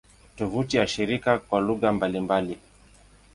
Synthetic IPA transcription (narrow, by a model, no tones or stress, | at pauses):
tɔvutijaʃiɾikakwaluɣambalimbali